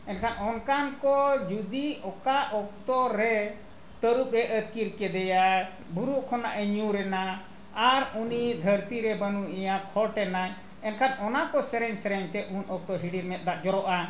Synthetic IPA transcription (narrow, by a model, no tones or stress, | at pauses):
ɛnkʰanɔnkankɔd͡ʒud̪iɔkaʔɔk̚t̪ɔɾɛ | t̪əɾup̚ɾɛʔət̪kiɾkɛd̪ɛja | buɾuʔkʰɔnaʔəɲuɾɛnaː | ɾunid̪ʱəɾt̪iɾɛbənuʔɛjakʰɔʈɛnaɲ | ɛnkʰanɔnakɔsɛɾɛɲsɛɾɛɲt̪ɛunɔk̚t̪ɔɦiɖiɾmɛt̪̚ˀd̪aʔd͡ʒɔɾɔʔa